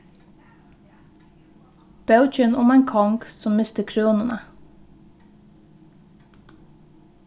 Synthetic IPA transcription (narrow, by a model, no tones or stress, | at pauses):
b̥ɑʉc͡çənʔʊmæɪŋkʰɑŋksɔmmɪst̪əkʰɾuːnənə